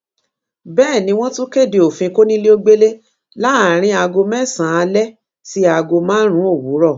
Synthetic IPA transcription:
bɛː˦˨nĩ˧˦w̃ɔ̃˦tũ˦ke˦˨de˨o˨fĩ˧ko˦nĩ˦le˦o˦ɡ͡be˦le˦ | la˦a˨ɾ̃ĩ˧˦a˧ɡo˧mɛ˦˨sã˨˦a˨˧lɛ˦ | ti˦a˧ɡo˧mãː˨˦ɾ̃ũ˦o˦˨wu˨˦ɾɔ˦˨

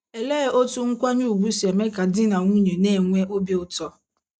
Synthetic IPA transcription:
e˨le˦˨o˦tu˦ŋ̩˦kʷa˦ɲu˦˨ɡ͡bu˦si˨e˨me˦ka˨dɪ˦na˨ŋu˦ɲe˨ne˦˨ŋʷe˦ʔo˦bi˦ʊ˦tɔ˦

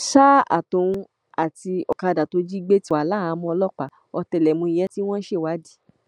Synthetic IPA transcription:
ʃa˦a̰˦˨tũ˨˧ | a˨ti˧ɔ˧ka˧da˨to˧˦d͡ʒi˦ɡ͡be˦ti˧˦a˨la˦a˨˧˦mɔ̃˧ɔ˧lɔ˦k͡pa˨ | ɔ˧tɛ˧˨lɛ˨mũ˧i˧jɛ˦ti˦w̃ɔ̃˦ʃe˦˨wa˨˦di˦˨

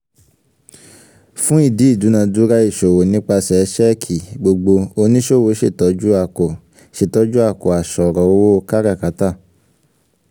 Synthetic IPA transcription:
fũ˦i˦˨di˨˦i˦˨du˨˦nã˧du˨˦ɾa˦i˦˨ʃo˨wo˨nĩ˨˦k͡pa˧sɛ˧ʃɛ˦kʰi˨ɡ͡bo˧ɡ͡bo˧o˧nĩ˦ʃo˦˨wo˨˦ʃe˦˨tɔ˨˦d͡ʒu˦a˨ko˨ | ʃe˦˨tɔ˨˦d͡ʒu˦a˦˨ko˨a˨ʃɔ˨ɾɔ˨wo˦wo˦˧ka˦ɾa˦˨ka˨˦ta˦˨

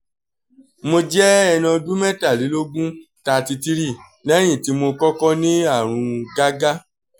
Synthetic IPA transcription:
mo˧d͡ʒɛ˦ɛ˧nã˧du˦mɛ˦ta˦˨li˨˦lo˦ɡũ˦ta˧ti˧ti˦ɾi˦˨ | nɛ˦j̃ĩ˦˨ti˨˦mo˧kɔ˦kɔ˦nĩ˦a˦˨ɾ̃ũ˧ɡa˦ɡa˦

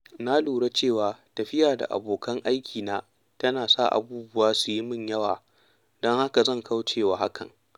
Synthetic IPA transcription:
na˦luː˨ɽe˦t͡ʃeː˦˨waː˨tɐ˨ɸɪ˦jaː˨da̰˨ʔa̰˨boː˨kʰɐ˦ŋʔa˦jkʲʰiː˨naː˦ | tɐ˦naː˨sa̰˦˨ʔa̰˨buː˦bʊ˦waː˦su˨ji˦mɪ˦˨ɲjɐ˦wa̰ː˨ | dɔ˦ŋha˦ka˨zɐ˦˨ŋkʰa˦wt͡ʃeː˦˨waː˨ha˦kʰɐ̰˨ŋ

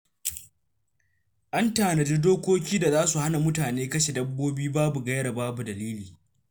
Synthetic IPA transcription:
ʔa˦ntaː˨nɐ˨d͡ʒe˦doː˦kʷoː˦kʲiː˦da˨zaː˦su˨ha˦na˨mʊ˦taː˨neː˦kɐ˦ʃe˨dɐ˦bːoː˦biː˦baː˦bu˨ɡɐ˦jɽa˨baː˦bu˨dɐ˨liː˦liː˨

